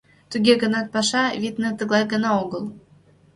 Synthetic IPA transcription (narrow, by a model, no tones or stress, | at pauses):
t̪uɡʲeɡɤ̆nɑt̪̚pɑʃɑβʲit̪nɤ̆t̪ɤ̆ɡlˠɑjɡə̆nɑoɡɤlˠ